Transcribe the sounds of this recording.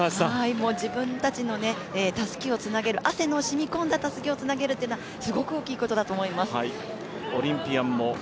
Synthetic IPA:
haimo̞ːd͡ʑibɯ̟̃nt̪at͡ɕino̞ne̞ | eːt̪asɨ̥kʲio̞t͡sɨnaɡe̞ɾɯ̟ʔase̞no̞ɕimʲikõ̞nd̪at̪asɨ̥kʲio̞t͡sɨnaɡe̞ɾɯ̟t̪ːeɯnasɨɡo̞kɯ̟o̞ːkʲiːko̞t̪o̞d̪at̪o̞ːmo̞imasɨi | oɾʲĩmpʲiamːo

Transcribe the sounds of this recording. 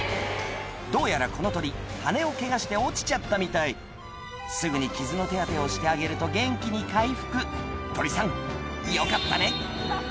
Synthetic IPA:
d̪o̞ːjaɾako̞no̞t̪o̞ɾʲihane̞o̞ke̞ɡaɕi̥t̪e̞o̞t͡ɕi̥t͡ɕat̪ːamʲit̪ai | sɨɡɯ̟ɲ̟ikʲizɨno̞t̪e̞ɡat̪e̞o̞ɕi̥t̪e̞aɡe̞ɾɯ̟t̪o̞ɡẽ̞ŋkʲiɲ̟ikaiɸɯ̥kɯ̟t̪o̞ɾʲisãŋijokat̪ːa̰ne̞

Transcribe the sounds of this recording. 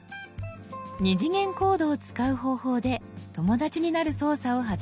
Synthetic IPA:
ɲiʑiŋẽ̞ŋko̞ːd̪o̞ːt͡sɨ̥kaɯ̟ɦo̞ːho̞ːd̪e̞t̪o̞mo̞d̪at͡ɕiɲ̟inaɾɯ̟so̞ːsao̞ɦa

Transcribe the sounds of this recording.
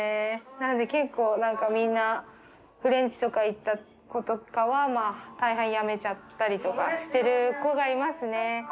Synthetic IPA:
enano̞d̪e̞ke̞kːo̞ːnãŋkamʲĩnːa | ɸɯ̟ɾẽ̞ɲ̟t͡ɕi̥t̪o̞kait̪ːa | ko̞t̪o̞kaβamaːt̪aiɦẽɰ̃jame̞t͡ɕat̪ːaɾʲit̪o̞kaɕi̥t̪e̞ɾɯ̟ko̞ɡaɾʲimasɨne̞

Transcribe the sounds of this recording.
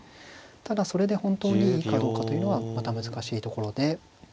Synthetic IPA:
t̪ad̪aso̞ɾe̞d̪e̞hõ̞nt̪o̞ːɲ̟iiːkad̪o̞ːkat̪o̞jɯ̟no̞ɡamat̪amɯ̟zɨkaɕiːt̪o̞ko̞ɾo̞d̪e

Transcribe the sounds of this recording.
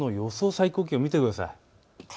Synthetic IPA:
no̞jo̞so̞ːsaiko̞ːkʲiomʲit̪e̞kɯ̟d̪asa̰i

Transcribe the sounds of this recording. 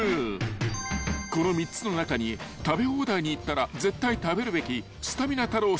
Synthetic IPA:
ko̞no̞mʲit͡sːɨno̞nakaɲ̟it̪abe̞o̞ːd̪aiɲ̟iːt̪ːaɾad͡ze̞t̪ːait̪abe̞ɾɯ̟be̞kʲi | sɨ̥t̪amʲinat̪aɾoː

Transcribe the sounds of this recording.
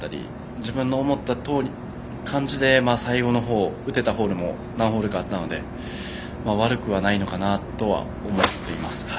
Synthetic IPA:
t̪ːaɾʲḭ | d͡ʑibɯ̟̃nːo̞ːmo̞t̪ːat̪o̞ːɾʲi | kʰãɲ̟d͡ʑid̪e̞maːsaiɡo̞no̞ɦo̞ːɯ̟t̪e̞t̪aɦo̞ːɾɯ̟mo̞̰ | nãɰ̃ɦo̞ːɾɯ̟ɡaːt̪ːano̞d̪e̞̰ | maːβaɾɯ̟kɯ̟βanaino̞kanat̪o̞βa̰ | omo̞t̪ːe̞imasɨ̥

